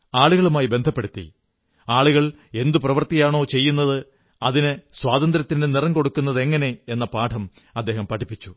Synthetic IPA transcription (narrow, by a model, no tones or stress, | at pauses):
aːɭuɣɐɭumaːjibe̞nd̪ʱɐpːe̞ɽut̪ːḭ | aːɭuɣɐɭ | e̞nd̪uprɐʋɐrt̪ijaːɳo̞ːt͡ɕe̞jːunːɐðɨ | ɐðinɨswaːd̪ɐnd̪ɾɐt̪ːindenirɐŋko̞ɽukːunːɐðe̞ŋːɐne̞enːɐpaːʈʰɐm | ɐd̪ːe̞ːɦɐmpɐʈʰipːit͡ɕːu̥